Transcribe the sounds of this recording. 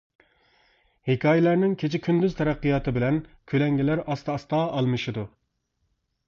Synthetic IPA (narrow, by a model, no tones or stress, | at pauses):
hekʲʰɑːjɛlæɾnɪŋkʲʰet͡ʃʰɪkʲʰynd̪yzt̪ʰɛɾæqːijɑːt̪ʰɨbɪlɛnkʲʰølɛŋɡʲilæɾɑst̪ɑst̪ɑːʔɑlˠmɨʃid̪u